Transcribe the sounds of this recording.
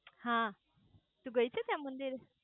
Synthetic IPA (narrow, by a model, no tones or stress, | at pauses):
hã | t̪uɡəjt͡set̪jamənd̪iɾ